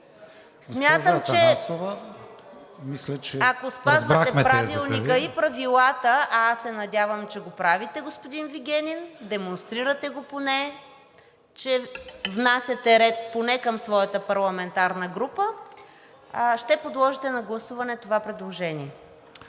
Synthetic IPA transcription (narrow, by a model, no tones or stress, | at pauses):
smʲjat̪əmt͡ʃ̪ɛa | mislɛt͡ʃɛakospazvɐt̪ɛpɾavilˠnikəipɾɐvilˠat̪əaasːɛnɐd̪ʲjavəmt͡ʃɛɡopɾavit̪ɛɡospod̪inviɡʲɛnind̪ɛmonst̪ɾiɾət̪ɛɡoponɛ | t͡ʃɛvnasʲjɐt̪ɛɾɛt̪̚ponɛkəmsvɔjəɐt̪əpɐɾlˠɐmɛnt̪aɾnəɡɾupə | ʃt̪ɛpod̪lˠɔʒit̪ɛnɐɡlˠɐsuvɐnɛt̪ovapɾɛd̪lˠoʒɛniɛ